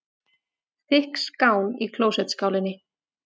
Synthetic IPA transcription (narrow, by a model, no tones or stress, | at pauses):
θɪhkskaːwnikʰloːwsɛt̪skaːwlɪnːɪ